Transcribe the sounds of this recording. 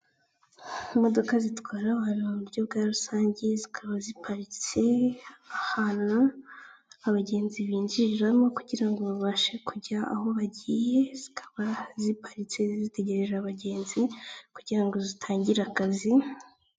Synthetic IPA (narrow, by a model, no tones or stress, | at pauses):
mo̞do̞kazitwaːɾaβhaβiuβuɾɟo̞bɡaːɾusaːɲɟe̞zikʰaβazipʰaɾit͡se̞ahanaː | βaɟe̞ːnziβiːɲd͡ʒiiɾamo̞kuɟiɾaŋɡo̞βaβaːʃe̞kuɟaa̰ho̞βaɟiːje̞z̥ikʰḁβazipʰḁɾit͡se̞zzite̞ɟe̞ɾe̞ʒaːβaɟe̞ːnzikuɟiɾaŋɡo̞zitʰaːɲɟiɾakazi